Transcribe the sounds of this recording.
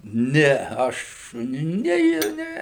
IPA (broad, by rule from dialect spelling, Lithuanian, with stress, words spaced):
ˈnʲɛ ˈɐʃ ˈnʲɛ ˈjɪ ˈnʲɛ